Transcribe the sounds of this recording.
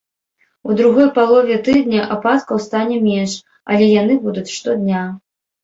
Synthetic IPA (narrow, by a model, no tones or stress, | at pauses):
ud̪ɾuɣɔjpalˠɔvʲɛt̪ɨd̪nʲɐʔapat̪kɐwst̪anʲɛmʲɛnʂ | ɐ̰lʲɛjanɨbud̪ut͡sʲʂt̪ɔd̪ʲnʲa